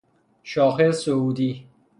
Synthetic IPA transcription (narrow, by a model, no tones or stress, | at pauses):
ʃɒːxesouːd̪iː